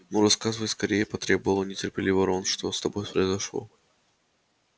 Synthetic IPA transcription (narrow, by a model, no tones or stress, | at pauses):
muɾɐskazəvəskɐɾʲejəpɐt̪ɾʲebəvəlˠənʲɪtʲɪrpʲɪlʲivəɾonʂt̪ost̪ɐbo̞jpɾəɪzɐʂlˠo̰